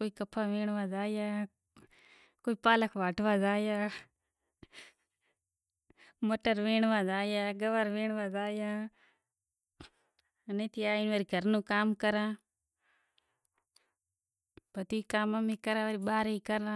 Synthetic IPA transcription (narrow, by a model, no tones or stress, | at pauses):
koːikəpʰaːʋẽːɳʋaːzaːjaː | koːiːpaːləkʰʋaːʈʰʋaːzaːjaː | məʈəɾʋẽːɳʋaːzaːjaːɡəʋəɾʋẽːɳʋaːzaːjaː | nẽːt̪iaːinʋaːɾiɡʱəɾnũːkaːmkəɾãː | b̥ʱət̪iikaːmamĩːkəɾãːʋəɾiɓaːɾeiːkəɾnãː